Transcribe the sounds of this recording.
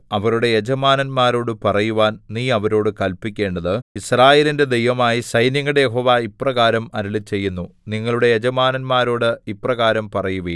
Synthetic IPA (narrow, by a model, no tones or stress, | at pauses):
ɐʋɐɾuɽe̞jed͡ʑɐmaːnɐnmaːɾo̞ːɽɨpɐrɐjuʋaːnniːɐʋɐɾo̞ːɽɨkɐlpːikʲːe̞ːɳɖɐðɨisraːjeːlinde̞d̪e̞jʋɐmaːjisɐjnjɐŋːɐɽejeɦo̞ːʋaiprɐɣaːɾɐmɐɾuɭit͡ɕe̞jːunːuniŋːɐɭuɽe̞jed͡ʑɐmaːnɐnmaːɾo̞ːɽɨipːrɐɣaːɾɐmpɐrɐjuʋi